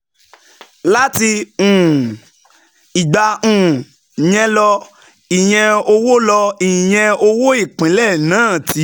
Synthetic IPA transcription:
la˦ti˧ũ˨ | i˨ɡ͡ba˧ũ˨ | j̃ɛ̃˧lɔ˧ | i˨j̃ɛ̃˧o˧wo˦lɔ˧i˨j̃ɛ̃˧o˧wo˦i˦˨k͡pĩ˨˦lɛ˦˨nãː˨˦˨tʰi˧˦

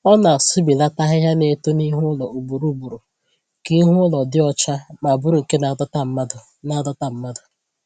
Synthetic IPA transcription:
ɔ˦na˨sʊ˦bi˨la˦ta˦ɦɪ˦ɦa˦ne˨to˦ni˦ɦʊ˦lɔ˨u˨bu˨ɾu˦bu˨ɾu˨ | ki˦ɦʊ˦ʊ˦lɔ˨dɪ˦ɔ˦t͡ʃa˦ma˨bʊ˦ɾu˨ŋ̩˨ke˦na˨˦a˦d | na˨˦dɔ˦ta˦˨m̩˦ma˦dʊ˨

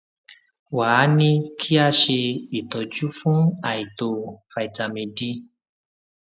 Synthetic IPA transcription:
wa˨˦nĩ˦kʰi˦a˦ʃe˧i˨tɔ˨d͡ʒu˦fũ˦a˦˨i˨to˧fa˧˨i˨ta˨mĩ˧di˦

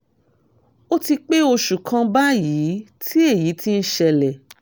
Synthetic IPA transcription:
o˦ti˧k͡pe˦o˧ʃu˨kʰã˧ba˦jiː˨˦tʰi˦e˦˨ji˨˦ti˦n̩˦ʃɛ˧lɛ˨

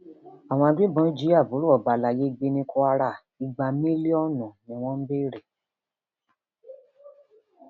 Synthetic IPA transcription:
a˨w̃ɔ̃˧a˧dʷi˦bɔ̃˧˦d͡ʒi˨˦a˦˨bu˨˦ɾu˦ɔ˨ba˨la˨je˨˦˧ɡ͡be˧nĩ˧kɔ˧a˧ɾa˦˨ | i˧ɡ͡ba˧mĩ˦li˦ɔ˦˨nũ˨mũ˨w̃ɔ̃˦m̩˦be˦ɾe˨

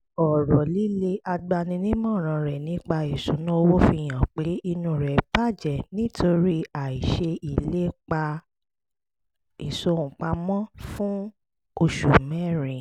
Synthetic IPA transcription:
ɔ˨ɾɔ˨li˦le˦a˧ɡ͡ba˧nĩ˧nĩ˦mɔ̃˦˨ɾ̃ã˧ɾɛ˨nĩ˨˦k͡pa˧i˨su˨˦nũ˦o˧wo˦fi˧˨j̃ã˨k͡pe˨˦i˧nũ˧ɾɛ˨pa˦˨d͡ʒɛ˨nĩ˦tʰo˧ɾi˦a˨i˨ʃe˧i˨le˦k͡pa˧ | i˨so˨˧˨ũ˨k͡pa˧mɔ̃˦fũ˦ | o˧ʃu˨mɛ̃˦˨ɾĩ˨

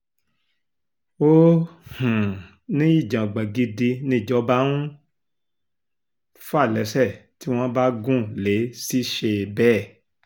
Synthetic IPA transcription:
o˦hũ˨ | nĩ˦i˦˨d͡ʒã˨ɡ͡ba˨ɡi˧di˧nĩ˦˨d͡ʒɔ˨˦ba˦nũ˦ | fa˦˨lɛ˨˦sɛ˦˨ti˨˦w̃ɔ̃˦ba˦ɡũ˦˨le˨˦si˦ʃe˧bɛ˦˨

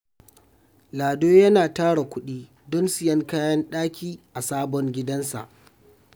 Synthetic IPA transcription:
laː˨doː˦jɐ˦naː˨taː˦ɽa˨kʷʊ˦ɗiː˦ | dɔ˦nsɪ˨jɐ˦ŋkaː˦jɐ˦nɗaː˦kʲiː˦ʔa˨saː˦bɔ˦ŋɡʲɪ˦dɐ˦nsa̰˨ʔ

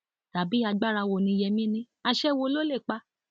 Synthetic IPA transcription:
ta˨bi˨˦a˧ɡ͡ba˦˨ɾa˧wo˨nĩ˧jɛ˧mĩ˦nĩ˦a˧ʃɛ˦wo˧lo˦le˦˨k͡pa˧˦

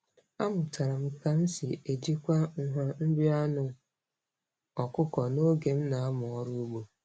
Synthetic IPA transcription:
a˦mʊ˨ta˨ɾa˨m̩˦˨ka˨n̩˦sɪ˨e˨d͡ʒi˦kʷa˦ŋ̩˦ɦa˦m̩˦bɪ˦a˦nʊ˨ | ɔ˨kʊ˦kɔ˨no˦ɡe˨m̩˦na˨a˦mʊ˨ɔ˦ɾu˦u˦ɡ͡bo˨

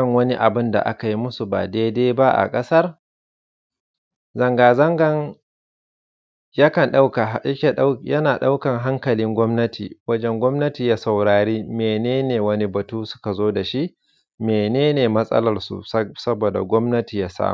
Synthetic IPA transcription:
ɐ˦˨ŋwɐ˦ni˦ʔa˨bɪ˦nda̰˨ʔa̰˦ka˨ji˦mʊ˦su˨ba̰ː˨deː˦deː˦jba˦ʔa̰˨kʼɐ˦sɐ˦r | zɐ˨ŋɡaː˨zɐ˦ŋɡɐ˦ŋ | jaː˦kɐ˨nɗa˦wka˨jɐ˦kʲe˨ɗa˦jɐ˦naː˨ɗa˦wkɐ˨ŋɦa˦ŋkɐ˨lɪ˦ŋɡʷɔ˦mnɐ˦tḭː˨wɐ˦d͡ʒɛ˦ŋɡʷɔ˦mnɐ˦tiː˨jaː˦sɐ˨wɽaː˨ɽiː˦meː˨neː˦neː˨wɐ˦ni˦bɐ˨tuː˦sʊ̥˦ka˨zoː˦da˨ʃi˦ʔ | meː˨neː˦neː˨mɐ˦sʼɐ̰˦lɐ˨rsṵ˨˦sɐ˦boː˨da̰˨ɡʷɔ˦mnɐ˦tiː˨jaː˦sa̰ː˦m˨

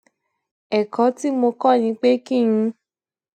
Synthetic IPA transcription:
ɛ˨kɔ˨˦ti˦mo˧kɔ˦˨nĩ˧˦k͡pe˦ki˦˨ŋĩ˧

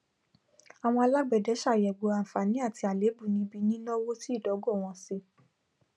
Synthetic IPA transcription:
a˨w̃ɔ̃˧a˧la˦ɡ͡bɛ˨dɛ˨˦ʃa˦˨jɛ˨ɡ͡bo˨ã˨fa˨nĩ˨˦a˦˨ti˧a˨le˨˦bu˦˨nĩ˧˦bi˧nĩ˦nɔ̃˦wo˦ti˦i˦˨dɔ˨˦ɡɔ˦˨w̃ɔ̃˧si˧˦

